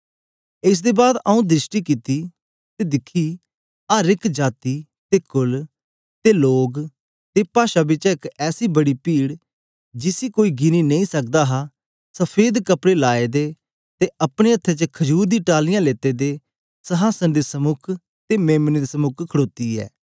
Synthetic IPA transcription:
ɪs̬d̪eːbaːd̪aũd̪ɾɪsʈiːkit̪iː | t̪eːd̪ɪkʰːiː | aːɾɪkd͡ʒaːt̪iː | t̪eːkʊl | t̪eːloːɡ | t̪epaːʃaːbɪt͡ʃɪkɛːsiːbəɽiːpiːɽ | d͡ʒɪsiːkoːiːɡɪniːnẽĩːsək̚d̪aːɦaː | səpʰeːd̪kəpɽeːlaːeːd̪eː | t̪eʔəpɽ̃eːət̪ʰːeːt͡ʃəkʰəd͡ʒuːɾd̪iːʈaːlɪjãːleːt̪eːd̪eː | səɦaːsənd̪eːsəmʊkʰ | t̪eːmeːmnd̪esəmʊkʰkʰəɽoːt̪iːɛ̰ː

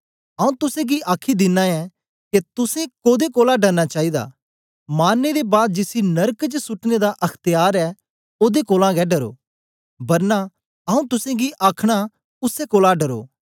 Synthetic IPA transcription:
ɐũt̪ʊsẽɡiʔaːkʰid̪ɪnːãɛ̃ | ket̪ʊsẽkoːd̪ekoːlaɖɐɾnat͡ʃaːid̪a̰ː | maːnːed̪ebaːd̪̚d͡ʒɪsinɐɾkt͡ʃsʊʈned̪aʔɐkʰt̪ɪjaːɾɛ | oːd̪ekoːlãɡɛɖɐɾo̰ː | bɐɾna | ɐũt̪ʊsẽɡiʔaːkʰɽ̃a | ʊsekoːlaɖɐɾo̰ː

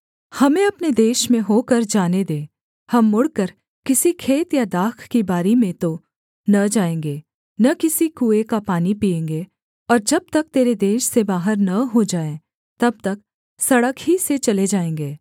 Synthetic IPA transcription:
hɐmẽɐpned̪eːʃmẽɦoːkəɾd͡ʒaːned̪eː | hɐmːʊɽkəɾ | kɪsikʰeːt̪jad̪aːkʰkibaːɾimẽt̪o | nɐd͡ʒaːẽːŋɡeː | nɐkɪsikuːekapaːnipiːẽːŋɡe | ɔːɾd͡ʒɐb̚t̪ɐk̚t̪eːɾed̪eːʃsebaːɦəɾnɐɦod͡ʒaːẽ | t̪ɐb̚t̪ɐk̚ | sɐɽəkɦiset͡ʃɐled͡ʒaːẽːŋ̆ɡeː

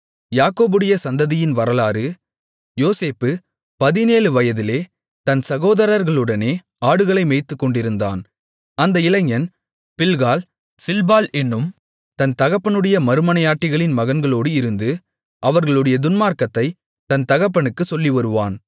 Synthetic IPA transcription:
jaːkoːbɯɽɐjɐsɐnd̪ɐðɪjɪnʋɐɾɐlaːɾɯ | joːseːpːɯ | pɐðɪneːlɯʋɐjɐðɪleː | t̪ɐnsɐɣoːðɐɾɐɾɣɐɭɯɽɐneː | aːɽɯɣɐɭɐɪmeɪt̪ːɯkːɔɳɖɪɾɯnd̪a̰ːn | ɐnd̪ɐɪlɐŋjɐn | pɪlɣaːl | sɪlbaːlɛnːɯm | t̪ɐnt̪ɐɣɐpːɐɳɯɽɐjɐmɐɾɯmɐɳɐjaːʈːɪɣɐɭɪnmɐɣɐnɡɐɭoːɽɯɪɾɯnd̪ɯ | ʔɐʋɐɾɣɐɭɯɽɐjɐd̪ʊnmaːɾkɐt̪ːɐɪ | t̪ɐnt̪ɐɣɐp̬ːɐɳɯkːɯsɔlːiʋɐɾɯʋa̰ːn

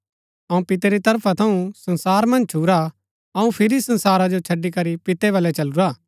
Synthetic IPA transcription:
ɐũpɪt̪eɾit̪ɐɾpʰat̪ʰɐũsɐ̃nsaːɾmɐ̃nd͡ʒt͡ʃʰuːɾa | ɐũpʰɪɾisɐ̃nsaːɾad͡ʒot͡ʃʰɐɖːikɐɾipɪt̪eʋɐlɛt͡ʃɐluɾaː

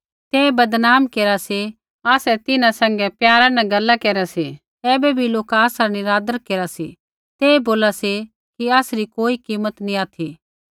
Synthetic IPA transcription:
t̪eːbɐd̪naːmkeːɾase | aːsɛt̪ɪnãsɛ̃ŋɡɛpjaːɾanɛɡɐlːakeːɾase | ɛːbɛbʱiloːkaːsaniɾaːd̪əɾkeːɾasḭ | t̪eːboːlase | kiaːsɾikoːikiːmət̪nĩaːt̪ʰiː

